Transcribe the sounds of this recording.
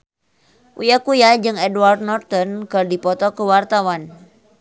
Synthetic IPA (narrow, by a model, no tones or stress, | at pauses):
ʔujakujad͡ʒɨŋɛdward̪̚nɔrt̪ɔnkɨrdipɔt̪ɔkəwart̪awan